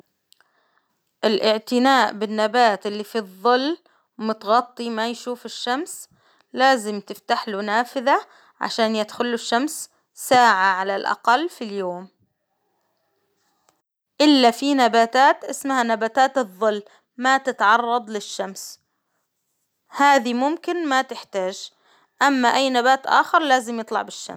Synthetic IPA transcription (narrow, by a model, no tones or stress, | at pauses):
ʔɪlʔɪʕt̪ɪnaːʔbɪnːabaːt̪ʔɪlːifiðˤːʊlː | mʊt̪ɣɑt̪ˤːimajʃuːfɪʃːams | laːzɪmt̪ɪft̪aħlunaːfɪða | ʕa̰ʃaːnjɪd̪xʊlːʊʃːams | saːʕaʕalalʔa̰qɑlːfiljoːm | ʔɪlːafinabaːt̪aːt̪ʔɪsmahanabaːt̪aːt̪ɨðˤːɨlː | mat̪ɪt̪ʕɑrˤːɑd̪ˤlɪʃːams | haːðimʊmkɪnmat̪ɪħt̪aːʒ | ʔamːaʔajːnabaːt̪ʔa̰ːxɑɾˤlaːzɪmjɨt̪ˤlɑ̰ʕbɪʃːa̰m